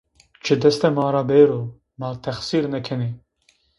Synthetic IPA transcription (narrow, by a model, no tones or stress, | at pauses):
t͡ʃʰɨd̪ɛst̪ɛmɑːɾaːbeːɾoː | maːt̪ʰɛxsiːɾnɛkʰɛneː